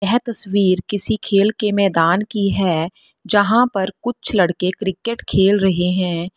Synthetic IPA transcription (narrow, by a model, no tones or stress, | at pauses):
ɛɦt̪ɐswiːɾkɪsikʰeːlkemɛːd̪aːnkiɦɛː | d͡ʒɐɦãpɐɾkʊt͡ʃʰlɐɽkekɾɪkeʈkʰeːlɾɐɦeɦɛ̃ː